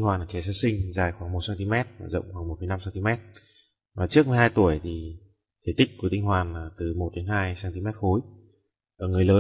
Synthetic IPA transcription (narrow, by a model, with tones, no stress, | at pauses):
ŋhwaː˨˩nlaː˨˩t͡ɕɛ˨˦s̬aː˨˧˥sï˧ŋ̟zaː˨˩jxwaː˧˩ŋmo˨˩t̚saː˧nt̪i˧mɛ˦˥t̚ːzə̰˧˨wŋ͡mxwaː˧˩ŋmo˨˩t̚fə˨˦jna˧msaː˧nt̪i˧mɛ˦˥t̚ | vaː˨˩t͡ɕɨ˦˥ək̚mə˨˦jɦaː˧jt̪u˧˩əjt̪ʰi˨˩ | t̪ʰe˧˩t̪ï˦˥k̟̚ku˧˩ət̪ï˧ŋ̟ɦwaː˨˩naː˨˩t̪ɨ˨˩mo˨˩t̚ɗe˨˦nɦaː˧jsaː˧nt̪i˧mɛ˦˥t̚xo˨˦j | ʔəː˧˩ŋɨ˨˩əjləː˨˦